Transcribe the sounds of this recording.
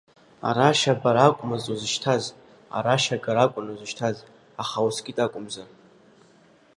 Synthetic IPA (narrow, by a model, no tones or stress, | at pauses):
a̰ɾaʃabaɾakʷʼmazʼozɨʃtʰaz | a̰ɾaʃaɡaɾakʷʼʊnozɨʃtʰaz | aχawusɡʲʼɪtʼakʷʼʊmza